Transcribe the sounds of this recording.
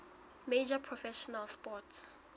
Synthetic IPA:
med͡ʒapʰɹɔfɛʃɔnalspɔts

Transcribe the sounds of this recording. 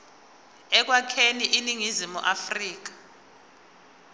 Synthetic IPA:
ɛk̬wakʰeniʔiniŋizimṵʔafriːk̬ḁ

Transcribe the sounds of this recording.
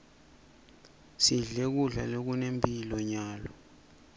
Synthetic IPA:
siɮek̬uɮa̰lok̬unempʰʼilɔɲaːlɔ

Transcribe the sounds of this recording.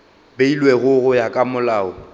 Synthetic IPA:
beilweɣʊɣʊjakʼamʊlaːʊ

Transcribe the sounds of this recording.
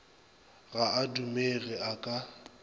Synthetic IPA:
ɣaadumeɣɛakʼa

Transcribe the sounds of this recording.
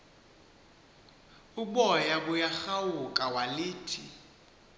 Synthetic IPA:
uɓɔjaɓujaxawukʼawaliːtʰi

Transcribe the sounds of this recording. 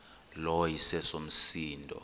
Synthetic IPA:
lɔjisɛsom̩siːndʱɔ̰

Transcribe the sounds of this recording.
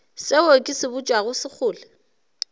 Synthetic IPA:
sɪokʼɪsɪbʊt͡ʃʼwaɣʊsɪk͡xʰʊːlɛ

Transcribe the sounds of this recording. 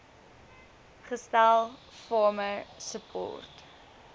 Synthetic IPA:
χəstælˠ | fɔməsəpʰɔ̰ːrt

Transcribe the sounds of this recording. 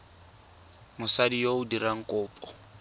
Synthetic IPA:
mʊsadijoʊdiraŋ̩kʼʊːpʼɔ̥

